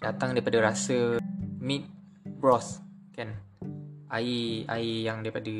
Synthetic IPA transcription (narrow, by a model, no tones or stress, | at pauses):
dat̪aŋdaipadaɾasəmit̪̚ | bɾɔs | kan | ʔaia̰ijaŋdaipadə